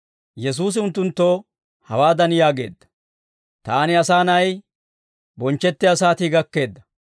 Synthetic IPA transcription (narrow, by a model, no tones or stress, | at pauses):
jɛs̬uːs̬ɪʊnt̪ːʊnt̪ːoː | hɐ̰waːd̪ɐnjaːɡe̞̰ːd̪ːɐ̥ | t̪aːnɪɐsaːnɐj | bɔnt͡ʃːɛt̪ːɪɐsaːt̪iɡɐkːe̞ːd̪ːɐ